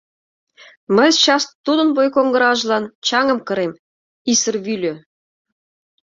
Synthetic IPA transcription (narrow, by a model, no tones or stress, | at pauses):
məjt͡ɕɑst̪ːud̪ə̆nβojkoŋɡə̆ɾɑʒlɑnt͡ɕɑŋə̆mkə̆ɾem | isə̆rβylʲø